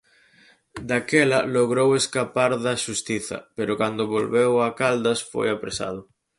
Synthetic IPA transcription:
d̪akɛlɐ̰loɣɾoweskapaɾðaʃust̪iθɐ̰peɾʊkand̪ʊβolβewakald̪ɐsfo̰japɾesa̰ð̞ʊ

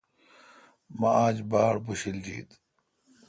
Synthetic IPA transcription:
maaːd͡ʑbaːɽbuɕild͡ʑḭːd̪

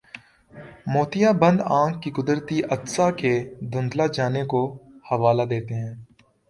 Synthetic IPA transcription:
moːt̪ɪjabə̃nd̪ãːŋkːikʊd̪əɾt̪iʔɐt̪saked̪ʊ̃nd̪lad͡ʒaːnekohɐʋaːlad̪eːt̪eɦɛ̃ː

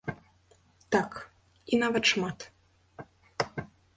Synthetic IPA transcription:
t̪ak | inavɐt̪ʂmat̪

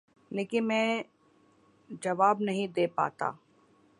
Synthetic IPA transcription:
leːkɪnmɛ̃ː | d͡ʒɐʋaːbnɐɦĩd̪eːpa̰ːt̪a̰ː

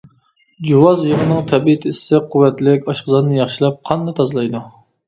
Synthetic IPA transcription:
d͡ʒuwɑzjəʁənɨŋt̪ʰɛbiɪt̪ʰɪssɪqʰʊwːɛt̪lɪkʲɑʃqəzɑnnɨjɑχʃilˠɑp̚qʰɑnd̪ɑt̪ʰɑzɨlˠɑjd̪u

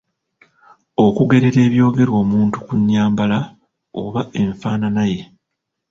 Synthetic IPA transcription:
o̞kuɡe̞ɾe̞ɾe̞ːβjo̞ːɡe̞ɾwo̞ːmuːntu̥kuɲːaːmbala | o̰βae̞ɱfaːnanaje̞

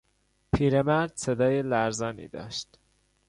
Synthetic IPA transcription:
pʰiːɾemæɾd̪̥sed̪ɒːjelæɾzɒːnḭːd̪ɒ̰ːʃt̪

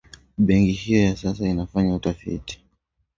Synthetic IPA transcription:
ɓɛŋkihijɔjasasainafaɲautafḭti̥

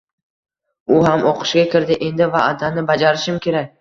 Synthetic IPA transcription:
ʊɦamʔoqʰɨ̥ʃɡʲakʲɪɾd̪ɪʔe̞nd̪ɪvaad̪anɪbad͡ʒaɾɪʃɪmkʲʰe̞ɾak̚ʲ

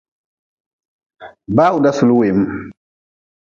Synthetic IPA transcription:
baːudasuluwem

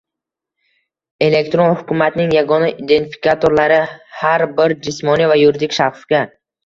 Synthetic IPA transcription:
e̞le̞kʲt̪ɾo̞nhʊkʰʲʊmat̪nɪŋjaɡɒnaʔid̪e̞nt̪fi̥kʲʰat̪ʰoɾlaɾɪhaɾbɪɾd͡ʒɪsmɒnivajʊɾɪd̪ɪkʲʃḁfɡʲa

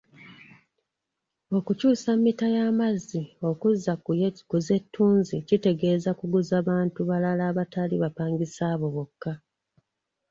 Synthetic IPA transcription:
o̞kucuːsamːitajaːmazːio̞kuzːakuze̞tːuːnzicite̞ɡe̞ːzakuɡuzaːβaːntuβalalaːβataliβapaːŋɡisaːβo̞βo̞kːa

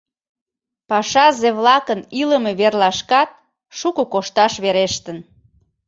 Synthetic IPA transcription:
pɑʃɑzeβlɑkəniləmeβerlɑʃkɑt̪̚ | ʃukəkoʃt̪ɑʃβeɾeʃt̪ən

